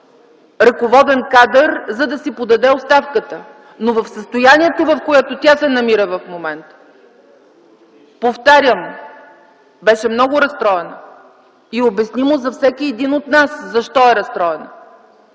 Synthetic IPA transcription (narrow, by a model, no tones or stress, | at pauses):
ɾɐkovɔd̪ɛnkad̪əɾzɐd̪ɐsipod̪ɐd̪ɛost̪afkət̪ə | novɐfsəst̪ojanʲiɛt̪ovɐfkojat̪ot̪ʲasɛnɐmiɾəvɐfmomɛnt̪ə̥ | poft̪aɾʲjəm | bɛʃɛmnɔɡʊɾɐst̪ɾɔɛnə | iobɛsnimozɐfsɛk̟iɛd̪inot̪naszɐʃt̪ɔɛɾɐst̪ɾɔɛnə